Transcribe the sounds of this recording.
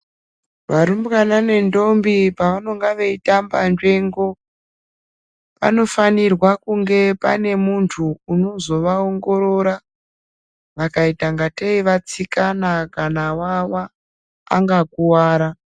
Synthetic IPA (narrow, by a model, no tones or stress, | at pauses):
ʋaɾumbkanane̞ndo̞mbipaʋano̞ŋɡaʋe̞itambanʐe̞ːŋɡo̞ | pa̰no̞fanirwakuŋɡe̞pa̰ne̞muntʰuːno̞zo̞ʋaoŋɡo̞ɾo̞ɾa | ʋakaitaŋɡateiʋat͡sikanakanawawaː | ŋɡakuwaːɾa